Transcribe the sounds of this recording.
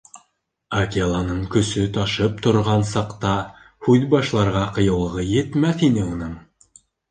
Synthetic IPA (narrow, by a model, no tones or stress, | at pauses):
akʲelˠɑnɤɴkɵ̆sɵt̪ɑʃɤp̚t̪ŏɾʁɑnsɑqt̪ɑ | hʉðbɑʃlˠɑɾʁɑqɤ̆jɤ̆lˠʁɤjɘ̆t̪mæθinɘunɤɴ